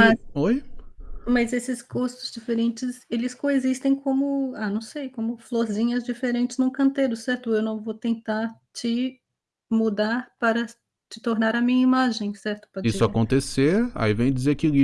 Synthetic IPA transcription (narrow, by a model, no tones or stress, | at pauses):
mɐsoj | mɐzesɪskust̪ʊzd͡ʒifeɾẽnt͡ʃɪzelɪskõezist̪ẽj̃kõmʊanɐ̃w̃sejkõmʊfloɾzĩɲɐzd͡ʒifeɾẽnt͡ʃɪznʊ̃kɐ̃nt̪eɾʊsɛɾt̪ʊewnɐ̃w̃vowt̪ẽnt̪aɾ | t͡ʃɪ | mud̪aɾpaɾɐ | t͡ʃɪ̥t̪oɾnaɾɐmĩɲɐimaʒẽj̃sɛɾt̪ʊ̥pɔisʊakõnt̪eseɾa̰ivẽj̃d͡ʒizeɾkɪi